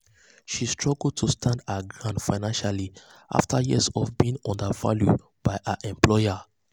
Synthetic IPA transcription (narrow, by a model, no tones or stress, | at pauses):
ʃistʰɹɔɡl̩̚tʰustʰãndaɡɹãnfaɪnãnʃaliʔa̰ftʰajisɔvbiĩŋɔ̃ndəva̰lju | b̥aɪʔəʔɛ̃mpʰlɔɪa